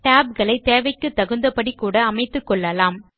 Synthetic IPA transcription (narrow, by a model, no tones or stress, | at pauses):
ʈaːb̚ɣɐɭɐɪt̪eːʋɐɪkːɯt̪ːɐɣɯnd̪ɐpɐɽikːuːɽɐːmɐɪt̪ːɯkːɔɭːɐlaːm